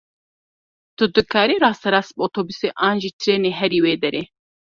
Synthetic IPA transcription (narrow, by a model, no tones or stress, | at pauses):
t̪ud̪ɨkʰaːɾiɾɑːst̪ɐɾɑːst̪̚boːt̪ʰoːbuseːʔaːnʒiːt̪ʰɾeːneːɦɛɾiːweːd̪ɛɾeː